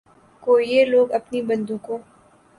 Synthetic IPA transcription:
koːieloːɡɐpnibɐ̃nd̪uːkõː

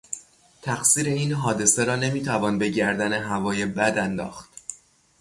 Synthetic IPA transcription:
t̪ʰæxsiːɾe̞iːnɦɒːd̪e̞seɾɒːne̞miːt̪ʰævɒːnbe̞ɟæɾd̪æne̞ɦævɒːje̞bæd̪ænd̪ɒ̰ːxt̪̚

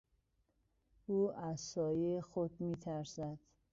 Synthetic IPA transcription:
uːʔæzsɒːjexod̪miːt̪ʰæɾsæd̪̥

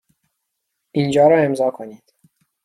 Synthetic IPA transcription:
ind͡ʒɒːɾɒːe̞mzɒːkʰoniːd̪̥

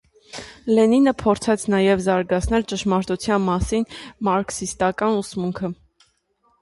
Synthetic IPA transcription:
lɛninəpʰɔɾt͡sʰɛt͡sʰn̪ɑjɛvzɑɾɡɑt͡sʰn̪ɛlt͡ʃəʃmɑɾt̪ut͡sʰjɑnmɑsinmɑɾksist̪ɑkɑnusmuŋkʰə

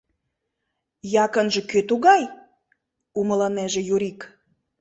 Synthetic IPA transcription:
jɑkənʒĕkøt̪uɣɑj | umə̆lɑneʒĕjuɾik

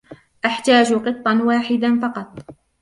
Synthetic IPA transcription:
ʔaħt̪aːd͡ʒqɨt̪ˤːɑnwaːħɪd̪anfɑqɑt̪ˤ

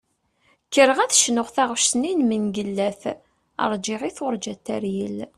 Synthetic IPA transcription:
kːəɾəʁæθʃnʊʁθæʁʃsninmənɡəlːæθ | ə̰ɾˤd͡ʒɪʁiθʊɾˤd͡ʒæt̪ːæɾjəl

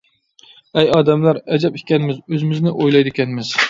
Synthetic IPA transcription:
ɛjɑːd̪ɛmlæɾɛd͡ʒɛpiɛnɪmɪzøzɪmɪznɪʔojlˠɑjd̪ɪkʲʰɛnmɪz

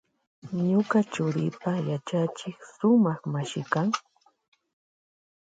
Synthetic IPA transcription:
ɲʊkat͡ʃʊɾɪpajat͡ʃat͡ʃɪkʃʊmɑχmaʃɪkaŋ

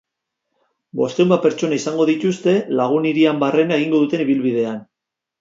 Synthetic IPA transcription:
bo̞st̪ewmbape̞ɾt͡ʃo̞naisaŋɡo̞ðit̪ust̪e̞laɣ̞uniɾiambare̞nae̞ɣ̞iŋɡo̞ðut̪e̞niβilβið̞e̞an

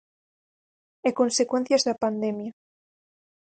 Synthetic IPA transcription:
ekonsekwen̟θjazðapand̪emja

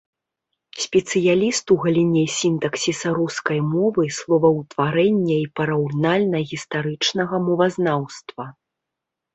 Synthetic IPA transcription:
sʲpʲɛt̪sɨjalʲist̪uɣɐlʲinʲɛsʲint̪ɐksʲisɐɾuskɐjmɔvɨslˠɔvɐwt̪vaɾɛnʲːɐipɐɾɐwnalʲnɐɣʲist̪aɾɨt͡ʂnɐɣɐmɔvɐznawst̪vɐ

